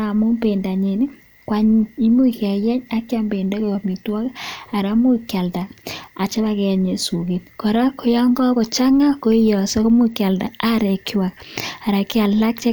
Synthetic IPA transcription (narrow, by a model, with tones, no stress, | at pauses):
a˨mu˦mbe˨nda˨ɲe˨ni˦ | kwa˨ɲi˦i˦mu˦kja˨jɛ˦ɲa˦kja˦mbe˨nda˦koɣo˨mi˨twa˦ka˨ɾa˦mu˦kja˨lda˨a˨t͡ʃa˦βa˦ke˨ɲe˨su˨ke˨tkɔ˨ɾa˦ko˦ja˦ŋɡɔ˦ko˨t͡ʃa˦ŋa˦ko˦i˦jɔ˨se˦ko˦mu˦kja˨lda˨a˦ɾe˨ki˦wa˨k̚a˨ɾa˨ki˦a˨la˦k̚t͡ʃe˦